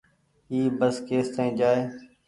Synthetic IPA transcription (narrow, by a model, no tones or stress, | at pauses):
iːbəskeːst̪ãĩːd͡ʒaːeː